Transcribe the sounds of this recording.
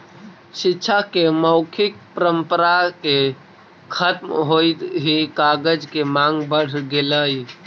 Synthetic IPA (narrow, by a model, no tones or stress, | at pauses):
ʃɪtːʃʰakeməʊkʰɪk̚pəɾəmpəɾake | kʰət̪mɦoːit̪ɦikaːɡəd͡ʒkemãːŋɡbəɽ̤ɡeləi